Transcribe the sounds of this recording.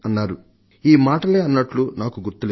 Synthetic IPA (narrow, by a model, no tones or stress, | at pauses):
ɐnːaːɾu | iːmaːʈɐle̞ːɐnːɐʈlunaːkuɡuɾt̪ule